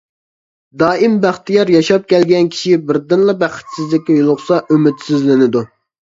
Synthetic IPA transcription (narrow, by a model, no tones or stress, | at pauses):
d̪ɑːɪmbæχt̪ijɑɾjɑʃɑp̚kʲɛlɡʲɛnkʲʰi̥ʃibɪɾd̪ɨnlˠɑbæχɪ̥t̪sɪzlɪkʲːɛjolˠʊχsɑʔømɪt̪sɪzlɪnɪd̪u